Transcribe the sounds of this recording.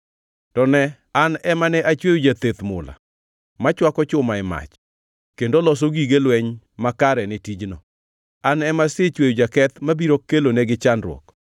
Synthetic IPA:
tɔnɛ | anɛmanɛʔat͡ʃwejud͡ʒat̪et̪mʊ̰la̰ | mat͡ʃwakɔt͡ʃʊmaɪma̰t͡ʃ | kendolɔs̬oɡiɡelwɛɲ | makaɾɛnɪtid͡ʒnɔ | anɛmasɪt͡ʃwejud͡ʒakɛt̪mabiɾokːeloneɡɪt͡ʃanɾwɔ̰k

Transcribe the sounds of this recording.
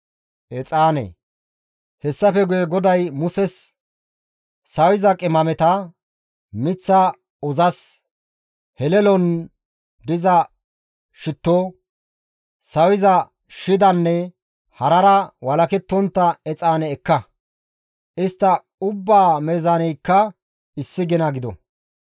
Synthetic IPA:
ʔɛt͡sʼaːnḛː | hɛsːɐfɛɡʊjɛɡɔd̪ɐjmʊsɛs | sɐwɪzɐkʼɪmɐmɛt̪ɐ | mɪt͡sːɐ | ɔzɐs | hɛlɛlɔn | d̪ɪzɐ | ʃɪt̪ːo | sɐwɪzɐ | ʃɪd̪ɐnːɛ | hɐɾɐɾɐwɐlɐkɛt̪ːɔnt̪ːɐɛt͡sʼaːnɛːkːɐ | ʔɪst̪ːɐ | ʊbːaːmeːzaːnɛjkːɐ | ɪsːɪɡɛnɐɡɪd̪ɔ̰

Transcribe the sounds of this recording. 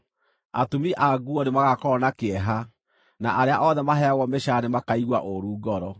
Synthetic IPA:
a̰tomiʔaɡuɔnemaɣakɔnakeɛɦa | naʔaɾeaʔɔðɛmaɦɛaɣɔmeʃanemakaiɣwa̰ʔoɾuːɡɔɾɔ

